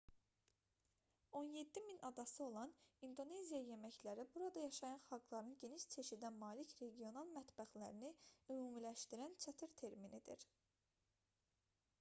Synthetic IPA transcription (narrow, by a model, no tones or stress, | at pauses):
o̞nje̞d̪ːiminɑd̪ɑsɯo̞lˠɑnind̪o̞ne̞zijɑje̞mæçlæɾibuɾɑd̪ɑjɑʃɑjɑnχɑlˠɡlˠɑɾɯnɟe̞niʃt͡ʃʰe̞ʃid̪ænmɑːlicɾe̞ɡijo̞nɑlˠmæt̪bæxlæ̰ɾiniymuːmilæʃt̪iɾænt͡ʃʰæt̪ʰiɾt̪ʰe̞ɾminid̪ḭɾ